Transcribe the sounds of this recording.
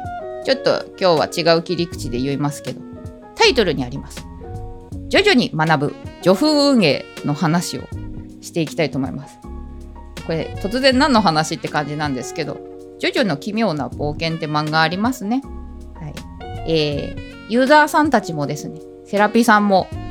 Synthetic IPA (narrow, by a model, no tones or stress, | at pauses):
t͡ɕo̞t̪ːo̞̰kʲo̞ːβa̰t͡ɕiɡaɯ̟kʲiɾʲikɯ̟̥t͡ɕid̪e̞jɯ̟imasɨ̥ke̞d̪o̞ | t̪ait̪o̞ɾɯ̟ɲ̟iaɾʲimasɨ̥ | d͡ʑo̞ʑo̞ɲ̟imanabɯ̟̰d͡ʑo̞ɸɯ̟ːɯ̟̃ŋ̃e̞no̞hanaɕio̰ɕi̥t̪e̞ikʲi̥t̪ait̪o̞ːmo̞ḭmasɨ̥ | ko̞ɾe̞̰t̪o̞t͡sɨzẽ̞nːãnːoɦanaɕit̪ːe̞kãɲ̟d͡ʑinãnd̪e̞sɨ̥ke̞d̪o̞̰ | d͡ʑo̞ʑono̞kʲimʲjo̞ːna̰bo̞ːkẽ̞nt̪e̞mãŋɡaːɾʲimasɨne̞ | hai | eː | jɯ̟ːzaːsãnt̪at͡ɕimo̞d̪e̞sɨne̞ | se̞ɾapʲisãmːo̞